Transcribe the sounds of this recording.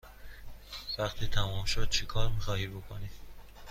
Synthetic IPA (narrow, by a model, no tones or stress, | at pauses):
væqt̪ʰiːt̪ʰæmɒːmʃod̪̥̚t͡ʃʰekʰɒːɾmixɒːhiːbokʰoniːd̪̥